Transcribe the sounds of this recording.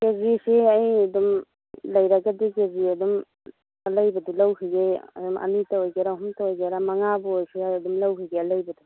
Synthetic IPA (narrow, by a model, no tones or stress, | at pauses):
ɡeziseɐjɐdum | lɐjɾaɡadiɡeziɐdum | alajbɐdulawɦiɡeɐ̰dumʔɐ̰nitaojɡeɾaɦumtaojɡeɾamaŋabɯojseɐdumlawɦiɡealajbɐdu